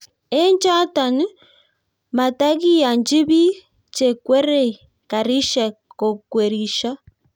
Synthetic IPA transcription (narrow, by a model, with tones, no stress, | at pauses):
e˦nd͡ʒa˦ta˨nu˦ | ma˨ta˦ɣi˦ja˨nd͡ʒi˦βi˦ | t͡ʃe˨kwe˦ɾe˨ | ka˨ɾi˦ʃa˨ko˨kwe˨ɾi˨ʃa˦